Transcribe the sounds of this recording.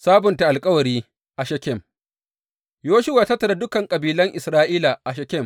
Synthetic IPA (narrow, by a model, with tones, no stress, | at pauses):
saː˦bʊ˨nta˨ʔa˨lkʼɐ˦wɐ˨ɾiː˦ | ʔa˨ʃɐ˦kʲɛ˦˨m | joː˦ʃʊ˦waː˨ta˦tːɐ˨da˦dʊ˦kɐ˨ŋkʼɐ˨biː˨lɐ˦ŋʔɪ˨sɾaː˦ʔiː˦la˨ʔa˨ʃɐ˦kʲɛ˦˨m